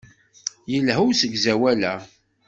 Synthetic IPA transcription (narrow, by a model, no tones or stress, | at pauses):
jəlɦuwsəɡzæwælæ